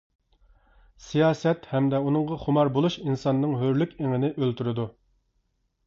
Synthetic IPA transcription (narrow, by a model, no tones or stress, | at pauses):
sijɑːsɛt̪hɛmd̪ɛunɨŋʁɑχʊmɑɾbolˠuʃinsɑnːɨŋɦøɾlykʲeŋɪnɪʔølt̪yɾɪd̪u